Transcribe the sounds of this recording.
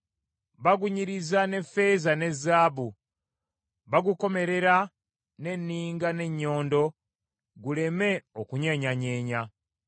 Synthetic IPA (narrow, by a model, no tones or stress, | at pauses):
βaɡuɲiɾizane̞fːe̞ːzane̞zːaːβu | βaɡuko̞me̞ɾe̞ɾa | ne̞nːiːŋɡane̞ɲːo̞ːndo̞ | ɡule̞me̞okuɲaɲaɲe̞ːɲa